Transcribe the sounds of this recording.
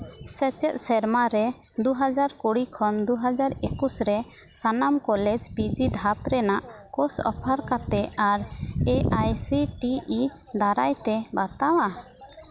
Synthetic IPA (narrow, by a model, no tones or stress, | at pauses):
sɛt͡ʃɛt̪̚sɛɾmaɾɛd̪uɦad͡ʒaɾkuɽikʰɔnd̪uɦad͡ʒaɾekusɾɛ | sanamkɔlɛd͡ʒpid͡ʒid̪ʱat̪ɾɛnaʔ | kɔsɔ̰pʰaɾkat̪ɛaɾɛajsiʈii | d̪aɾajt̪ɛbat̪awa